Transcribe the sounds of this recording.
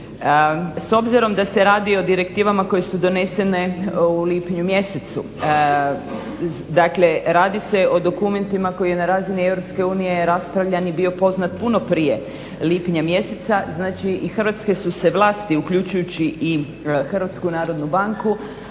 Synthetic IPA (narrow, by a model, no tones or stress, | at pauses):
so̞bziɾo̞md̪ase̞ɾaːd̪io̞d̪iɾe̞kt̪iːʋamako̞je̞sud̪o̞ne̞se̞ne̞uliːpiɲumje̞set̪sṵ | d̪akle̞ɾaːd̪ise̞ʔo̞d̪o̞kume̞nt̪imako̞jije̞naɾaːzinie̞vɾo̞pske̞uːnije̞ɾaspɾaʋʎanibio̞po̞znat̪puno̞pɾije̞ | lipiɲamje̞set̪saznaːt͡ʃiʔixərʋat̪ske̞suse̞ʋlˠaːst̪iukʎut͡ʃujut͡ɕiʔi | xr̩ʋat̪skunaːɾo̞d̪nubaŋku